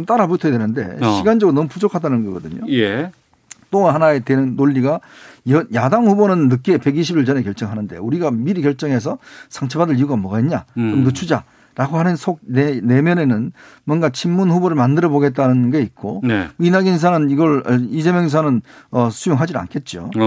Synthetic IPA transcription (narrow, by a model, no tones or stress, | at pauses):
mt͈aɾabutʰʌedwenɯnde̞̰ɕʰiɡand͡ʑʌɡɯɾonʌmɯpud͡ʑokʰadanɯnɡʌɡʌdɯɲo̰je | t͈ohanaetenɯnːoʎːiɡajʌjadaŋhubonɯnːɯk͈e̞pe̞ɡiɕʰibiɭt͡ɕʌne̞kjʌɭt͡ɕ͈ʌŋɦanɯnde̞̰uɾiɡamiɾikjʌɭt͡ɕ͈ʌŋɦe̞s̬ʰʌsʰaŋt͡ɕʰebadɯɭiuɡamʌɡaiɲa̰komnɯt͡ɕʰud͡ʑa | ɾaɡohanɯnsʰoɡ̚nene̞mjʌne̞nɯnmwʌnɡat͡ɕʰimːunɸuboɾɯɭmandɯɾʌboɡe̞t̚t͈anɯnɡeit̚k͈oninaɡins̬ʰanɯniɡʌɭʌid͡ʑemjʌŋs̬ʰanɯnʌsʰujoŋɦad͡ʑina̰nkʰe̞t̚t͡ɕ͈o̰